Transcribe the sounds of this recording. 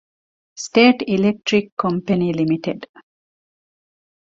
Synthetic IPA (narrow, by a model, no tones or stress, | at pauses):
sʈeːʈilek̚ʈɾikʰːɔ̃mpenilimiʈeɖ